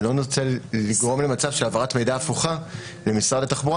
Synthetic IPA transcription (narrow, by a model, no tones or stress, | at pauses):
lo̞niʁt͡selːiɡʁo̞mle̞mat͡savʃelavaʁatmejdaːfuχa | le̞misʁadletaχbuʁ